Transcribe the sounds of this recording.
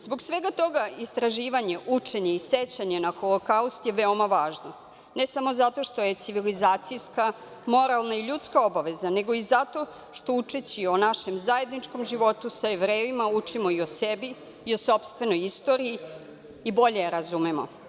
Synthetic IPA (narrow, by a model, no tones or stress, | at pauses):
zbo̞ksʋe̞ɡat̪o̞ɡaist̪ɾaʒiːʋaɲe̞ʔut͡ʂe̞ɲe̞iset͡ɕaɲe̞naxolˠokaust̪je̞ʋeo̞maʋaːʒno | nesamo̞zat̪o̞ʃt̪o̞je̞t̪siʋilizaːt̪sijska | mo̞ɾalˠnaiʎut̪skaobaʋe̞zane̞ɡo̞izat̪o̞ | ʃt̪o̞ut͡ʂet͡ɕionaʃe̞mzaje̞d̪nit͡ʂko̞mʒiʋo̞t̪usaeʋɾeːʋimaut͡ʂimo̞iosebiː | oso̞pst̪ʋe̞no̞jist̪o̞ɾiː | bo̞ʎeɾazumemo̞̰